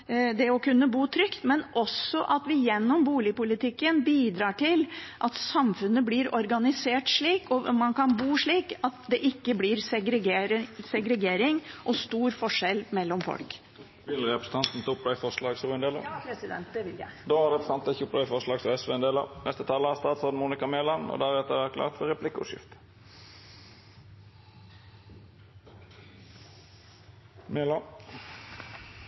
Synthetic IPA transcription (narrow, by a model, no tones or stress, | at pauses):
d̪ɛɔkʉnːəbuːt̪ʰɾʏkt̪mɛnʔɔsɔʔɑt̪ʋɪjɛnːɔmbuːlɪpʊlɪt̪ɪkːənbiːd̪ɾɑːʈɪlʔɑt̪sɑmfʉnːəblɪɾɔɾɡɑnɪseːʈʂɭiːkɔmɑnkɑnbuːʂɭiːkɑt̪d̪ɛʔɪkːəblɪɾsɛɡɾɛɡeːɾsɛɡɾɛɡeːɾɪŋʔɔst̪uːɾfɔʂɛlmɛlːɔmfɔ̰lk | ʋɪlɾɛpɾəsə̥n̩t̪ʰɑnt̪n̩t̪ʰːʊplɑːfɔʁslɑːɡsɔɛnd̪eːlə̰ɪd̪ɛnt̪d̪oːɑʁd̪ɛbsɑnt̪ɪçʊplɑːɪfɔʁʂlɑːɡsɔɛsʋeːɛnd̪eːlə̰nɛst̪ət̪ʰɑːlːəæst̪ɑːt̪sɔʁd̪muːnɪkɑmeːlɑnɔ̰d̪æʁɛt̪əʋæt̚klɑ̰ːʁt̪fɔʁɛpʰlɪkːʊʊ̰ʂɪ̰ft̪ | meːlɑ